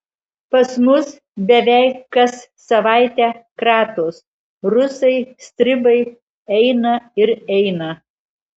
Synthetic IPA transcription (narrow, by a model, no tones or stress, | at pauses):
pɐsmʊs | bʲɛʋʲɛˑɪkːɐsːɐʋɑˑɪt̪ʲɛːkɾɑːt̪os | ɾʊsɐɪsʲt̪ʲɾʲɪbɐɪ | ɛɪnɐɪɾɛɪnɐ